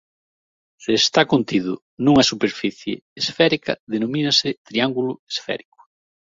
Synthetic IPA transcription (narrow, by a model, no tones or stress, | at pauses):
sɪːst̪akont̪iðʊ | nũŋɐsupeɾfiθjḛːsfɛɾikɐ̰ðenomĩnɐsɪt̪ɾiaŋɡulʊesfɛ̰ɾikʊ̥